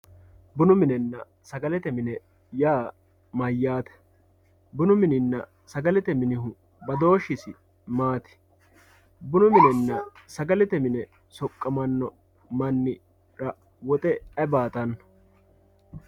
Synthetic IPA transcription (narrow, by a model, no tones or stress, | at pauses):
bʊnʊmɪnɛnːɐ | sɐɡɐlɛt̪ɛmɪnɛ | jaː | mɐjːaːt̪ɛ̥ | bʊnʊmɪnɪnːɐ̰ | sɐɡɐlɛt̪ɛmɪnɪɦʊ | bɐd̪o̞ːʃɪsɪ | maːt̪ɪ̥ | bʊnʊmɪnɛnːɐ | sɐɡɐlɛt̪ɛmɪnɛ | sɔkʼːɐmɐnːɔ | mɐnːɪ | ɾɐ | wɔt̪ʼɛɐbaːt̪ɐnːɐ